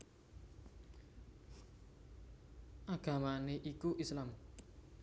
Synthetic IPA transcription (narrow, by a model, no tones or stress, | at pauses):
ʔaɡ̥a̤maneʔikuʔislam